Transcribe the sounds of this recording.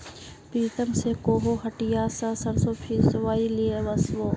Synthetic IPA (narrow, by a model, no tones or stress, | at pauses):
piːt̪əmsekoːɦoːɦɐʈijaːsasɐɾsoːpʰisʋaːilieʋɐsʋoː